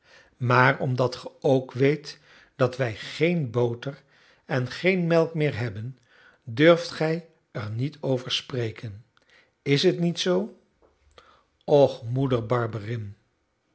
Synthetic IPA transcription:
maːrɔmdɑtχəowkʋejt | d̥ɑtʋɛjχejnbowtəɹ | ɛnχejnmɛlˠkmɪːɹɦɛbən | døɹftχɛj | əɹnitʰowvəɹsprejkən | ɪsɦətnitsow | ɔχmudəɹbɑɹbərɪn

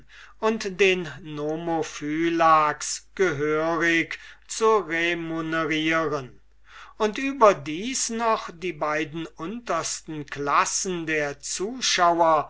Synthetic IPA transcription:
ʔʊntd̥eːnːomofyːlaksɡ̥əɦøːʁɪkt͡suʁemonəʁiːʁən | ʊntʔyːbɐdiːsnɔχd̥iːbaɪdn̩ʊntɐstn̩klasn̩deːɐt͡suːʃawɐ

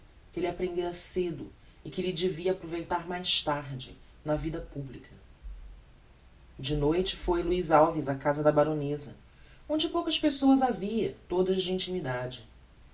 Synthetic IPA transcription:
kɪelɪapɾẽnd̪eɾɐsed̪ʊɪkɪlɪd͡ʒɪviɐːpɾovejt̪aɾmajʃt̪aɾd͡ʒɪ̰ | nɐvid̪ɐpublikʰɐ | d͡ʒɪnojt͡ʃɪ̥fojluizawvizɐkazɐd̪ɐbaɾõnezɐ | õd͡ʒɪpowkɐspesoɐzaviɐt̪od̪ɐzd͡ʒɪĩnt͡ʃimid̪ad͡ʒɪ

